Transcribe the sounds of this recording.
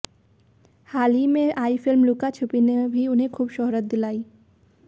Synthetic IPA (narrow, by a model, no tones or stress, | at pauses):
haːlimẽʔaːifɪlmlʊkat͡ʃʰʊpinebʱiʊnɦẽkʰuːbʃɔɦɾət̪̚d̪ɪlaːiː